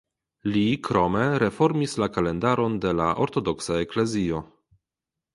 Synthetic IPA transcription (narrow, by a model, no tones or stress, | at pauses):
likɾo̞me̞ɾe̞fo̞ɾmislakale̞ndaɾo̞ndelaʔo̰ɾto̞do̞ksaekle̞zio̞